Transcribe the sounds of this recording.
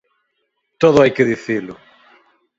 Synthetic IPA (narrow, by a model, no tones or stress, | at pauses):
t̪oðʊajkɪðiθilʊ